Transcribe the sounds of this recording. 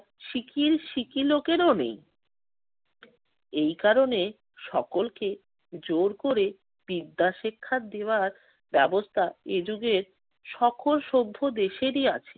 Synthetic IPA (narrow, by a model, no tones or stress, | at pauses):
ʃikiɾʃikilokeɾonḛj | ejkaɾone | ʃɔkolke | d͡ʑoɾkoɾe | b̥id̪ːaʃekʰːad̪eoaɾ | bɛbost̪ʰaed͡ʑuɡeɾ | ʃɔkʰolʃobʱːod̪eʃeɾia̰t͡ɕʰe̥